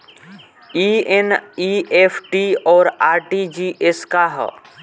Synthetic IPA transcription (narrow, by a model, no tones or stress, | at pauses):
ieniepʰʈiɔːɾaːɾʈid͡ʒiʔeskaɦɔ̰